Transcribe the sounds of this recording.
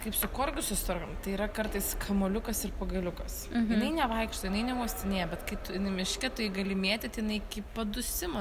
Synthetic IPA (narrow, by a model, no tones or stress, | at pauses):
kɐɪpsʊkoːɾʲɡʲʊsʊst̪oɾɡɐmt̪ɐɪːɾɐkɐɾt̪ɐɪskʰɐmoːlʲʊkɐsɪɾpɐɡɐlʲʊkɐsjjɪnɐɪnʲɛʋɐɪkʃt̪oːjɪnɐɪnʲɛuɔsʲt̪ʲɪnʲeːjɛbʲɛt̪kɐɪt̪ʊɪnɪmʲɪʃʲkʲɪt̪ʊɪɡɐlʲɪmʲeːt̪ʲɪt̪ɐɪjɪnɐɪkʲiːpɐd̪ʊsʲɪmɐ